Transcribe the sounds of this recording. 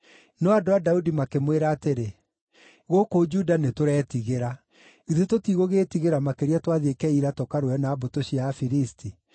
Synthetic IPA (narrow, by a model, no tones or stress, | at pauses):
nɔadoadaudimakemweɾaːteɾe | ɣokod͡ʒudanetoɾɛːtiɣeɾa | iðetotiɣoɣeːtiɣeɾamakeɾiatwaðekɛiɾatɔkaɾoɛnaːbotoɕiafiɾistʰi